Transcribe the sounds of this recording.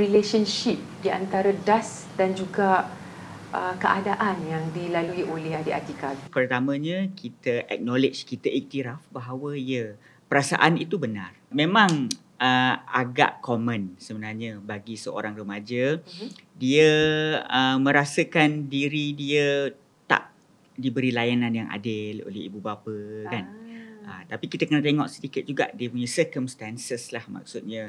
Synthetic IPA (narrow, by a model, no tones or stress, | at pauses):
ɾileʃənʃip̚dia̰nt̪aɾadas | dand͡ʒuɡa | əkəʔadaʔanjaŋdilaluiʔolɛɦadia̰t̪ikat̪pərt̪amə̃ɲə̃kʰit̪əʔɛ̰k̚nɔled͡ʒkit̪əʔik̚t̪iɾafbaɦawəiə | pəɾasa̰ʔanit̪ubəna̰rmẽmãŋ | əa̰ɡa̰ʔkomə̃nsəbənarɲəbaɡisəo̰ɾaŋrəmad͡ʒə | diə | əmə̃ɾasəkandiɾidiə | t̪a̰ʔ | dibəɾilajananjaŋʔa̰dɪlo̰lɛhḭbubapəkanət̪apikit̪əkənat̪eŋɔʔsət̪ikɪt̪̚d͡ʒuɡa̰ʔdiəpuɲasəkəmst̪ansəslahma̰k̚sut̪̚ɲə